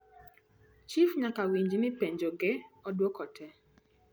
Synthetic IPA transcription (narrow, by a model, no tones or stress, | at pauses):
t͡ʃifɲakawiɲd͡ʒimɪpeɲd͡ʒoɡeɔdwɔkɔtʰɛ